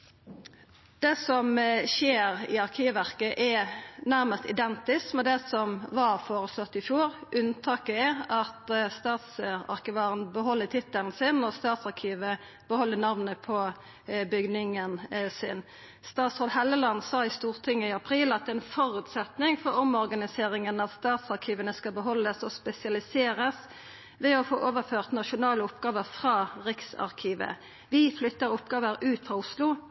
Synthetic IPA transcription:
d̪̥ɛsɔmʃeːɾɪ̰ɑʁkʰiːʋʋæʁkəʔɛnæɾməst̪ɪd̪ɛnt̪ɪskmɛd̪ɛsɔmʋɑʁfoːɾəslɔt̪ːɪfjuːʁʔʉnt̪ʰɑːkəɛɑt̪st̪ɑːt̪sɑ̰ʁkəʋɑːɾənbəɦɔlːət̪ʰɪt̪ːəln̩sɪnɔst̪ɑːt̪sɑʁkʰiːʋə | b̥əhɔlːənɑʋnəpʰɔ | bʏɡnɪŋənsɪ̰n | st̪ɑːt̪sʁoːd̪hɛləlɑnsɑːɪst̪uːʁt̪ʰɪŋːəɪɑpʰʁiːlɑt̪̚d̪ɛɛnfɔʁʉːt̪sɛt̪nɪŋfɔɾɔmɔʁɡɑnɪseːʁɪŋənɑt̪st̪ɑːt̪sɑʁkʰiːʋənəskɑbəɦɔlːəsɔspɛsɪɑlɪseːʁəs | ʋɛɔfoːʔoːʋəføːʁt̪nɑʃʊnɑːləʊpɡɑːʋəʁfʁɑːʁɪksɑ̰ʁkʰiːʋə̰ | ʋɪflʏt̪ːəʁʊpɡɑːʋəɾʉːt̪fʁɑʊslʊ

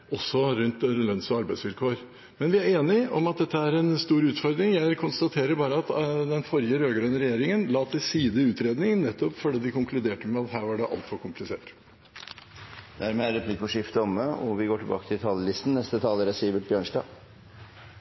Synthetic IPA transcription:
ʔɔsːɔɾʉnt̪lœnsɔɑɾbæɪsʋɪlkʰoːɾ | mɛnʋɪæɾeːnɪɔmɑt̪̚d̪ɛt̪ːəæɾɛnst̪uːɾʉːt̪fɔɾd̪ɾɪŋjæɪkʰʊnst̪ɑt̪ʰeːɾəɾbɑːɾəɑt̪d̪ɛnfɔɾjəɾøːɡəɾøəɾɛjeːɾɪŋənlɑːt̪ʰɪlsiːd̪əʉːt̪ɾeːd̪nɪŋnɛt̪ːɔpfɔɖiːd̪ɪkʊŋklʉd̪eːʈəmɛɑt̪hæːɾʋɑɖɛʔɑ̰lt̪fɔɾkʰʊmplɪsḛːʈ | d̪æɾmeːæɾɛpʰliːkːɔʂɪft̪əɔməɔʋɪɡoːʈɪlbɑ̰kə̥t̪ʰɪlt̪ʰɑːləlɪst̪n̩nɛst̪ət̪ʰɑːləɾɛsiːʋəʈ̪̚bjøːɳʂdɑ̰ː

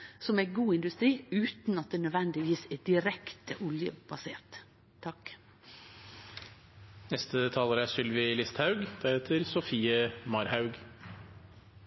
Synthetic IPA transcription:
sɔmæɪɡuːɪnd̪ʉst̪ɾiːʉːt̪n̩ɑt̪̚d̪eːnœd̪ʋɛnd̪ɪʋiːsed̪̥ɪɾɛkt̪ʰəʔʊljə̰b̥ɑseːɾt̪ʰː | ɑk | nɛst̪ət̪ʰɑːləɾæsʏlʋɪlɪst̪hɑʉɡd̪̥æɾheːt̪ʰəɾsʊfiːəmɑɾhɑʉɡ

